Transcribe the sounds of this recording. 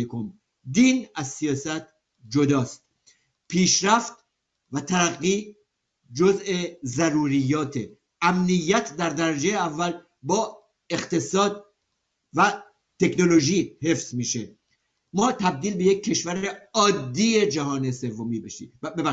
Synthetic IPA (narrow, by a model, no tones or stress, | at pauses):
ekʰom | d̪iːnæzsijɒːsæt̪ | d͡ʒod̪ɒːst̪̚ | pʰiːʃɾæft̪ | væt̪ʰæɾæɣːiː | d͡ʒoze̞zæɾuːɾijːɒːt̪ʰe | æmnijːæt̪ʰd̪æɾd̪æɾæd͡ʒejeævːæl | bɒː | e̞χt̪e̞sɒːd̪̚ | væ | t̪ʰe̞kno̞lo̞ʒiːhe̞fz̥miːʃe | mɒːt̪ʰæb̚d̪iːlbe̞je̞kʰːe̞ʃvæɾeɒːd̪ːiːe̞d͡ʒæɦɒːnese̞vːomiːbeʃḭbebæ